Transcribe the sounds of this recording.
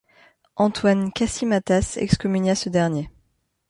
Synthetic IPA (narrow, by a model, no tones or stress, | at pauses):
ʔɑ̃t̪wankʲasimat̪asɛ̰kskɔmynasəd̪ɛʁnje